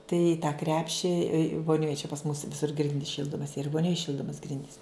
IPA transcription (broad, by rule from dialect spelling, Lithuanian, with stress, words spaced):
tɐɪ ɪ tɑː ˈkrʲæːpʲʃʲɪ ʋoːˈnʲoːj t͡ʃʲɛ pɐs mʊs ʋʲɪˈsʊr ˈɡrʲɪnʲdʲiːs ˈʃʲiːlˠdoːmɐs iːr ɪ ʋoːˈnʲoːj ˈʃʲiːlˠdoːmɐs ˈɡrʲɪnʲdʲiːs